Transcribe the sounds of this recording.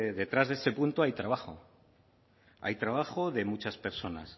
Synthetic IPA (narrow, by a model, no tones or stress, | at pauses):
ðe̞t̪ɾazðe̞se̞punt̪oajt̪ɾaβ̞ao̞ | a̰jt̪ɾaβ̞axo̞ðe̞mut͡ʃaspe̞ɾso̞na̰s